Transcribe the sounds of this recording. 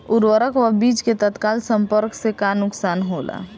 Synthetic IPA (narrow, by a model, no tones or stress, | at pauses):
ʊɾwəɾəkʋəbiːt͡ʃket̪ət̪kaːlsə̃mpəɾksekanʊksaːnɦola̰